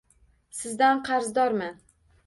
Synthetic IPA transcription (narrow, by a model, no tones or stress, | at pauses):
sɪzd̪anqʰɑɾzd̪ɒɾmɪn